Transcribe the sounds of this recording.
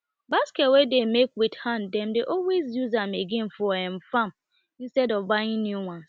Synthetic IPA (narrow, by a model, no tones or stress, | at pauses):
basketwedemekwithãndɛmdeʔɔlwezjuzameɡĩn̩fɔɛ̃m̩fam | in̩stɛdɔvbajɪ̃ŋnjuwãns